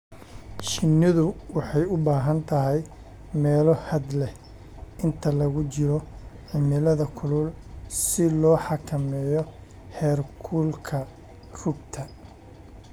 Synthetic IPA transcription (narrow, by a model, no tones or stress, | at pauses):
ʃɪnːɪðʊwɑħɑjʊbaːɦɐnt̪ʰɐɦɛj | mɛːlɔhɐd̪lɛ | ɪnt̪ʰɐlɐɣʊt͡ʃɪɾɔʕɪmɪlɐðɐkʰʊlʊlsɪlɔːħɑkʰɐmɛːjɔ | hɛːrkʰuːlkʰɐ | rʊbt̪ʰɐ